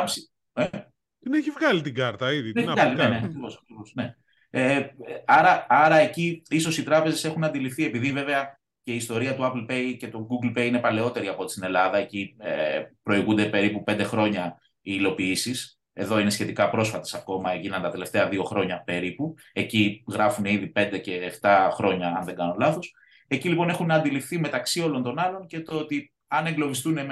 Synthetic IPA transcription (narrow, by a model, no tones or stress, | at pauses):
si | e | neçivɣɐlit̪iɡɐɾt̪ɐiðieɣɐlineneɐkɾivosɐkɾivosne̞ | eɐɾɐɐɾɐe̞ciiso̞sit̪ɾɐpe̞ze̞se̞xunɐnd̪ilifθie̞piðive̞ve̞ɐ | ceiːst̪o̞ɾiɐt̪uɐplpe̞jce̞t̪oɡuɡlpe̞jine̞pɐle̞o̞t̪e̞ɾiɐpot̪i̥st̪ine̞lɐðɐe̞ciepɾo̞iɣund̪e̞pe̞ɾipupe̞nd̪e̞xɾo̞ɲɐ | iːlo̞piisis | e̞ðo̞ine̞sçe̞t̪ikɐpɾo̞sfɐt̪esɐko̞mɐekinɐnt̪ɐt̪e̞le̞ft̪e̞ɐðio̞xɾo̞ɲɐpe̞ɾipu | e̞ciɣɾɐfuneiðipe̞nd̪e̞ce̞ːft̪ɐxɾo̞ɲɐɐnðe̞ŋɡɐnolɐθos | e̞cilipo̞ne̞xunɐnd̪ilifθime̞t̪ɐksio̞lo̞nt̪o̞nɐlo̞nce̞t̪oot̪i | ɐne̞ŋɡlo̞vist̪unem